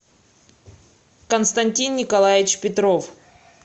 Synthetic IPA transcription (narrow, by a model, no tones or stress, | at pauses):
kənst̪ɐnʲtʲinːʲɪkɐlˠajɪt͡ɕpʲɪt̪ɾof